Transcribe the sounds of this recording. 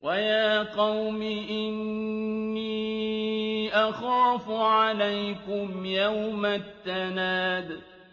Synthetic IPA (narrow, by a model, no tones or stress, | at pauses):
wʔajaːqɑwmɪʔɪnː | iː | ʔaxaːfʊʕalajkʊmjawmaθːanaːd̪